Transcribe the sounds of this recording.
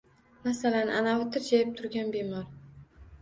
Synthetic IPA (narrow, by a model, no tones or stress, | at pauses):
masalanʔa̰naʊt̪ʰɪɾd͡ʒajɪp̚t̪ʰʊɾɡʲanbemɒɾ